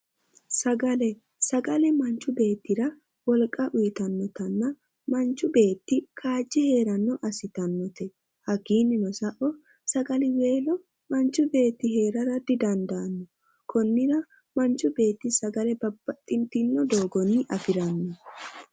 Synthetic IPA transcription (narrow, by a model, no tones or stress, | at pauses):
sɐɡɐlɛ | sɐɡɐlɛmɐnt͡ʃːʊbe̞ːt̪ːɪɾɐ | wɔlkʼːɐʔʊjɪt̪ɐnːɔt̪ɐnːɐ | mɐnt͡ʃːʊbe̞ːt̪ːɪkʰaːd͡ʒːɪhe̞ːɾɐnːɔʔɐsɪt̪ɐnːɔt̪ɛ | hɐɡiːnːɪnɔsɐʔɔ | sɐɡɐlɪwe̞ːlɔ | mɐnt͡ʃːʊbe̞ːt̪ːɪɦe̞ːɾɐɾɐd̪ɪd̪ɐnd̪ɐːnːɔ | kɔnːɪɾɐ | mɐnt͡ʃːʊbe̞ːt̪ːɪsɐɡɐlɛbɐbːɐt̪ʼːɪnt̪ɪnːɔd̪o̞ːɡɔnɪʔɐfɪɾɐnːɔ